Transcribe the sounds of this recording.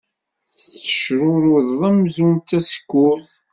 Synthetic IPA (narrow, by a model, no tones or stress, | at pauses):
θθə̥ʃɾʊɾʊððˤæmzunt̪ːæsə̥kːʊθ